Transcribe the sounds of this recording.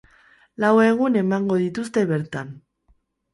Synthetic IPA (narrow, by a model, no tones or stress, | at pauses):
lawe̞ɣ̞une̞maŋɡo̞ð̞it̪ust̪e̞βe̞ɾt̪an